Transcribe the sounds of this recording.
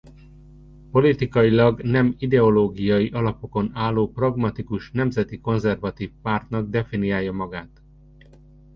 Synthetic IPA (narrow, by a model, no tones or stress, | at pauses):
po̞lit̪ikɒjilɒɡnɛmid̪ɛo̞loːɡijɒjiʔɒlɒpo̞ko̞naːlːoːprɒɡmɒt̪ikuʃnɛmzɛt̪iko̞nzɛrvɒt̪iːfpaːrt̪nɒɡ̚d̪ɛfinijaːjːɒmɒɡaːt̪